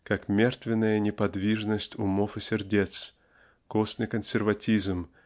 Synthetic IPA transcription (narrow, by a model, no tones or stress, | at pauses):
kakmʲert̪vʲɪnːəjənʲɪpɐd̪vʲiʐnəsʲtʲʊmofɨsʲɪrdʲet̪s | kosnɨjkənsʲɪrvɐtʲizm